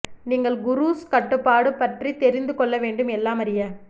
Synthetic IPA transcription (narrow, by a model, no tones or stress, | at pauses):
niːŋɡɐɭɡʊɾuːskɐʈːɯpːaːɽɯpːɐʈrit̪ɛɾɪnd̪ɯkɔɭːɐʋeːɳɖɯmɛlːaːmɐɾɪjɐ